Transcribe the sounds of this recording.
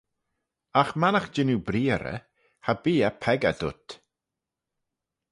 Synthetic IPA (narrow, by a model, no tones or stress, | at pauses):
axmanaxd͡ʒɪnubɾiːəɾə̰ | habiːapʰɛɡa̰dʊ̰t̪